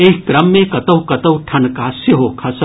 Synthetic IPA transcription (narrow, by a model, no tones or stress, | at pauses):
eɦkɾɐmːẽkɐt̪ɐwkɐt̪ɐwʈʰɐnkaːsjəɦokʰɐs